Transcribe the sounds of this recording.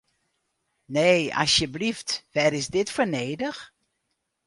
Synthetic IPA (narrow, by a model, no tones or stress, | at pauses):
neːɑ̰sjəbliftʋɛɾɪzdɪtfəɹneːdəx